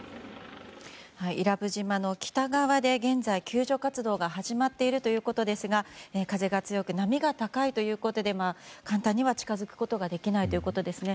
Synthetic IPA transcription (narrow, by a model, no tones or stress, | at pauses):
haiːɾabɯ̟ʑimano̞kʲi̥t̪aɡaβad̪e̞ɡẽ̞nd͡zaikʲɨːʑo̞kat͡sɨd̪o̞ːɡaɦaʑimat̪ːe̞iɾɯ̟t̪o̞jɯ̟ːko̞t̪o̞d̪e̞sɨɡaeːkaze̞ɡat͡sɨjo̞kɯ̟namʲiɡat̪akait̪o̞jɯ̟ːko̞t̪o̞d̪e̞maːkãnt̪ãɲ̟ːiβat͡ɕi̥kazɨkɯ̟̥ko̞t̪o̞ɡad̪e̞kʲinait̪o̞jɯ̟ko̞t̪o̞d̪e̞sɨne̞